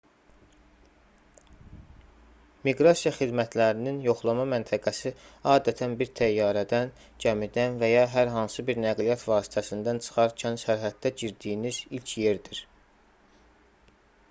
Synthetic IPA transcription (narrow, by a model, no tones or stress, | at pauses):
miɡɾɑsijɑχid̪mæt̪ʰlæɾininjo̞χlˠɑmɑmænt̪ʰæɡæsiɑːd̪æt̪ʰænbiɾt̪ʰæjːɑːɾæd̪æn | d͡ʒæmid̪ænvæjɑɦæɾɦɑnsɯbiɾnæɡlijɑt̪vɑːsi̥t̪ʰæsind̪ænt͡ʃʰɯ̥χɑɾcʰænʃæɾɦæd̪̚ːæɟiɾd̪ijinizilcʰje̞ɾd̪iɾ